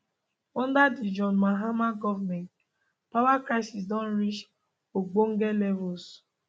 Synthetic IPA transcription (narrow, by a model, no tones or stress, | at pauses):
ɔn̩dadɪd͡ʒɔnmaɦamaɡɔvmɛnt | pawakɾaɪsisdɔ̃n̩ɾit͡ʃ | oɡ͡boŋ̩ɡelevos